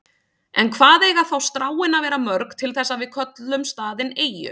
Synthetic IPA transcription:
ʔɛ̰nkʰvaːðeːjɣaθawst̪ɾaːwɪnavɛːɾamœɾkt̪ʰɪlθɛsːavɪðkʰœt̪lʏmst̪aːðɪneːjʏ̰

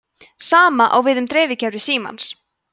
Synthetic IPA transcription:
saːmaʔa̰wvɪðʏmt̪ɾeːvɪcaɾɪsiːma̰ns

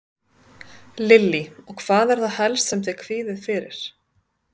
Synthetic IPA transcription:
lɪlːiɔɣkʰv̥aːðɛɾ̥θaðhɛlst̪sɛmt̪ʰɛːkʰviːðɪðfɪːɾɪ̰ɾ̥

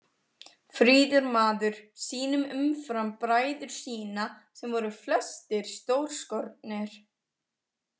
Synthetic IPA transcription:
fɾiːðʏɾmaːðʏɾ̥siːnʏmʏmfɾampɾaːjðʏɾ̥siːnasɛmvɔɾʏflœst̪ɪɾ̥st̪owɾ̥skɔɾt̪̚nɪɾ̥

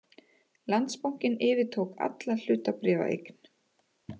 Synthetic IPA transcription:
lant̪spowŋ̥cɪnɪːvɪt̪ʰowka̰t̪lal̥ʏːt̪apɾɛːva̰ʔḛjkn̥

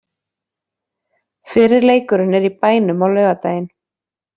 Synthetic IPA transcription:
fɪːɾɪɾleːjkʏɾʏnɛɾipaːjnʏmawlœːɥɣat̪aːjɪn

